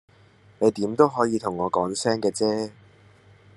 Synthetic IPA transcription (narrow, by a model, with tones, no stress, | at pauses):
ne˨˧jt̪iː˨˥mt̪o˥wɦɔː˨˥jiː˨˧t̪ʰʊ˨˩ŋːɔː˨˧kɔː˨˥ŋsɛː˥ŋkɛː˧t͡sɛː˥